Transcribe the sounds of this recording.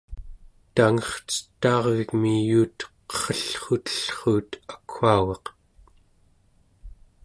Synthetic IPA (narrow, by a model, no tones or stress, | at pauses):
t̪aŋʌχt͡sə̥t̪ːɑːʁvikmijuːt̪qʌ̥χʌɬχut̪ə̥ɬχuːt̪akʰːaːɣɑq